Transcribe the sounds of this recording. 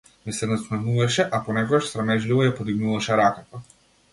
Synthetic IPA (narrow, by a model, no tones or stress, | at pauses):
mɛsɛnasnɛmuvaʃɛʔapɔnɛkɔɡaʃsɾamɛʒlivɔjapod̪iɡnuvaʃɛɾakat̪a